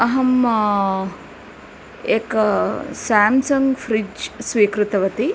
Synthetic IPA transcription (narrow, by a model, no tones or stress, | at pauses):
ɐɦɐm | eːk | saːmsɐŋɡfɾid͡ʒsʋiːkɾut̪ɐʋɐt̪i